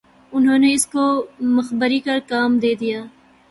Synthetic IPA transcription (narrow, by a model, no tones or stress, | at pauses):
ʊnɦõːneɪskomɐxbəɾikɐɾkaːmd̪eːd̪ijaː